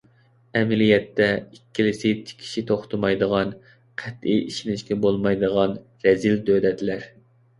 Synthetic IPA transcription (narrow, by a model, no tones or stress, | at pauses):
ɛmɪlijɛt̪ːɛikʲʰːilɪsɪt͡ʃ̪ʰi̥kʲʰi̥ʃit̪ʰoχt̪ʰʊmɑjd̪əʁɑn | qʰɛt̪iiʃinɪʃkʲɛbolˠmɑjd̪əʁɑn | ɾɛzild̪ød̪ɛt̪ʰlæɾ